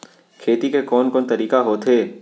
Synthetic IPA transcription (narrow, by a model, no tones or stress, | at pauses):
kʰeːt̪ikekɔːnkɔːnt̪ɐɾiːkaɦoːt̪ʰeː